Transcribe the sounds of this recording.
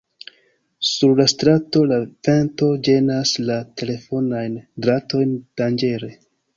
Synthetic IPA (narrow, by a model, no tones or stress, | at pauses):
suɾlastɾato̞lave̞nto̞d͡ʒe̞naslatʰe̞le̞fo̞najndɾato̞jnd̥and͡ʒe̞ɾe̞